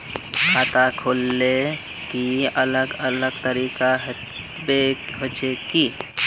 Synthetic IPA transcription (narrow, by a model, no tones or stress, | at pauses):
kʰat̪akʰolːe | kiələɡələɡt̪əɾiːkaɦ | beɦot͡ʃeki